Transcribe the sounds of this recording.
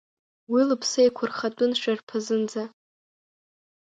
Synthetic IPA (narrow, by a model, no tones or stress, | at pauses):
wilɨpʰsejkʷʰʊrχatʼʊnʃᶣarpʰɨzɨnd͡za